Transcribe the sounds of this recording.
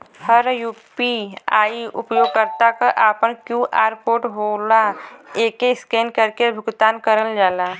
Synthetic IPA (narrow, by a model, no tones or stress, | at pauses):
həɾjuːpiaːiʊ̰pjoːɡ̚kəɾt̪akaʔaːpənkjuːʔaːɾpoːʈɦoːlaeːkeskeːnkəɾkebʱʊɡt̪aːnkəɾəld͡ʒaːlaː